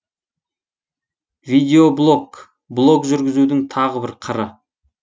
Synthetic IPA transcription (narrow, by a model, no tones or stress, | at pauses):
vijd̪ʲe̞oblˠo̞k | blˠo̞kʒʏɾɡʲɪzud̪ɪŋt̪ʰɑʁəbɪɾqʰəɾə